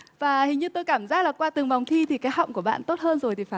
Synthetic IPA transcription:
vaː˨˩hi˨˩ŋ̟ɲɨ˧t̪o˧jkaː˧˩mzaː˦˥k̚laː˨˩kwaː˧t̪ɨ˨˩ŋva˨˩wŋ͡mt̪ʰi˧t̪ʰi˨˩kaː˨˦jɦa̰˧˨wŋ͡mku˧˩əɓa̰ː˧˨nt̪o˦˥t̚həː˧nzo˨˩jt̪ʰi˨˩faː˧˩

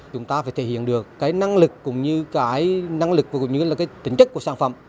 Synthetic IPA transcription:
t͡ɕʊ˨˦ŋ͡mt̪aː˧faː˧˦jt̪ʰe˧˩hḭ˧˨ənɗɨ˨˩əkːaː˨˦jna˧ŋlɨ˨˩kːʊ̰˧˥ŋ͡mɲɨ˧kaː˨˦jna˧ŋlɨ˨˩k̚vaː˨˩kʊ̰˧˩ŋ͡mɲɨ˧laː˨˩kaː˨˦jt̪ï˨˦ŋ̟t͡ɕə˦˥k̚ku˧˩əsaː˧˩nfə̰˧˩˨m

